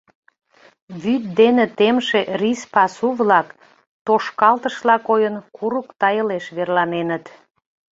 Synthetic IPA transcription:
βyt̪̚d̪enet̪emʃerispɑsuβlɑk | t̪oʃkɑlt̪əʃlɑkojənkʰuɾukt̪ɑjəleʃβerlɑnenət̪

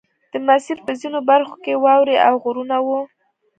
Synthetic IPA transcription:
d̪̥əmasiɾpəzinobaɾxo̥kewɑwɾiʔawɣuɾunawu

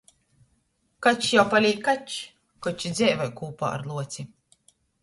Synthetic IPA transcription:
kat͡ʃjawpalʲiːkkːat͡ʃ | kɔt͡ʃid̪zʲɛjvajkuːpa̰ːa̰ɾlˠuɔt̪sʲi

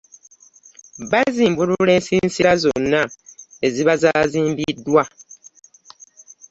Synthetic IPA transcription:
βaiziːmbuɾule̞ːnsiːnsiɾazo̞nːae̞ziβazaːziːmbidwa

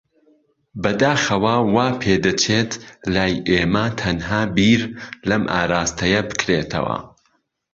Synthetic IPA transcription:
bɐd̪aːxɐwawaːpʰeːd̪ɨt͡ʃʰet̪laːjʔeːmɐt̪ʰɐnɦaːbiːɾlɐmʔa̰ːɾaːst̪ɐjɐbɨ̥kɾeːt̪ʰɐ̰wɐ̰

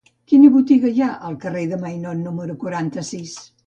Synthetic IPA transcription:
kinəβut̪iɣəʒaʔəlˠkəreðəmajnɔnnuməɾukwəɾant̪əsis

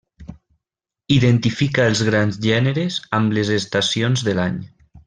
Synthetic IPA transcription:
iðent̪ifikaelˠzɣɾanzʒɛneɾezamlezest̪asionzðelaɲ

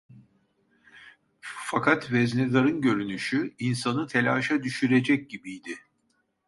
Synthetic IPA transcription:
fakʰat̪vɛzlʲɛlˠaɾɯnɟø̞ɾynyʃyinsanɯt̪ʰe̞lʲaːʃad̪yʃyɾed͡ʒɛc̚ɟibijd̪ɪ

